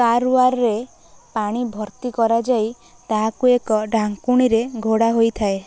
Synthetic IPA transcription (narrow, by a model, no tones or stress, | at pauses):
kaɾuaɾɔɾe | paɽ̃ibʱɔɾt̪ikɔɾad͡ʒaj | t̪aɦakuekɔɖʱaŋkuɽ̃iɾeɡʱoɽaɦojt̪ʰae